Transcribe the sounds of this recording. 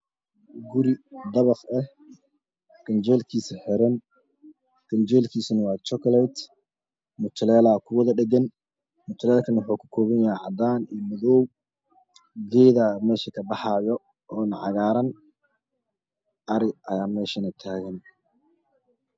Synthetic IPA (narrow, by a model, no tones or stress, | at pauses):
ɡʊɾɪd̪ɐβɐfɛh | ɡ̥ɐnd͡ʒɛːlkʰiːsɐħɛɾɛn | ɡ̥ɐnd͡ʒɛːlkʰiːsɐnɐwɑːt͡ʃɔklɛjt̪ | mʊt̪ʰlɛːlaːkʰʊwɐðɐɖɛɡɐn | mʊt̪ʰlɛːlkʰɐnwʊħuːkʰʊ̥kʰɔːβɐnjahɛʕɑ̰d̪aːnijmɐðɔw | ɡɛːðamɛːʃɐkʰɐbɑħɑːjɔ | ʔɔːnɐʕɑ̰ɣaːɾɐn | ʔɐɾɪʔɐjaːmɛːʃɐnɐt̪ʰaːɣɐn